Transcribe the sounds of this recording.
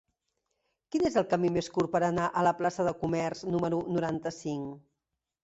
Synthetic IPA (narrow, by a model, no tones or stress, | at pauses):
kinezəlˠkəmimeskuɾpəɾənaʔələplasəðəkumɛrznuməɾunuɾant̪əsiŋ